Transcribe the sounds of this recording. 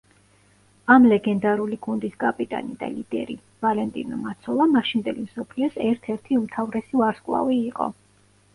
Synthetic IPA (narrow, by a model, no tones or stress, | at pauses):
amlɛɡɛnd̪aɾuliɡund̪isɡʼapʼit̪ʼa̰nid̪a̰lid̪̥ɛ̰ɾi | valɛnt̪ʼḭnɔmat̪sʰɔlˠamaʃind̪ɛlimsɔpʰliɔsɛɾt̪ʰɛɾt̪ʰiumt̪ʰavɾɛsivaɾskʼlˠa̰viːqʼɔ̰